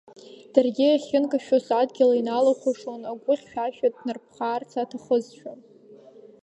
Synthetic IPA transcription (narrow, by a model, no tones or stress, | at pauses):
d̥arɡʲɪaχʲɪnkʼaʃᶣosadɡʲɪlainalaχʷʰaʂonaɡʷʊχʲʃᶣaʃᶣatnɨrpʰχaːrt͡sʰatʰaχəzʃᶣan